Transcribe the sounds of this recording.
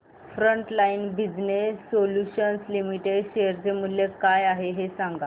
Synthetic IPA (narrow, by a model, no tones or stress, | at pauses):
fɾəɳʈlainbid͡znessːoljuɕənslimiʈeɖɕejəɾd͡ʑemulːjekajaɦeɦesãŋɡa